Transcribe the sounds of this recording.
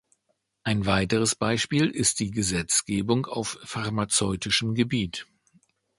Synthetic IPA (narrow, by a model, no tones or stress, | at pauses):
ʔaɪnvaɪtəʁəsb̥aɪʃpiːlɪst̚d̥iːɡəzɛt͡sɡ̥eːbʊŋa̰ʊfːaʁmat͡sɔʏtɪʃəmɡəbiːt